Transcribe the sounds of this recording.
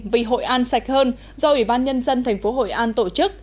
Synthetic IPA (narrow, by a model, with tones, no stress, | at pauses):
vi˨˩ɦo̰˧˨jʔaː˧nsa˨˩jk̟̚həː˧n | zɔ˧ʔwi˧˩ɓaː˧nɲə˧nzə˧nt̪ʰɛ˨˩ŋ̟fo˨˦ɦo̰˧˨jʔaː˧nt̪o̰˧˨t͡ɕɨ˦˥k̚